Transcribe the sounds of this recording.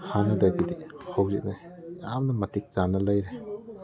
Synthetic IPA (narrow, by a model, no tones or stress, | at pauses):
hanɐdajbidihawzḭt̚na | jamnɐmɐtʰik̚z̥anɐlajɾe